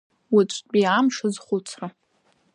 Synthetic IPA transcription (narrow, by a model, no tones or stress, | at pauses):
wit͡ʃʷʼbʼiamʂɨzχʷʊt͡sʰra